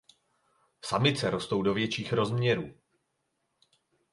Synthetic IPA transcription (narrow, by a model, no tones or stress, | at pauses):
samɪt͡sɛɾo̞st̪owdovjɛt͡ʃiːxɾo̞zmɲɛɾuː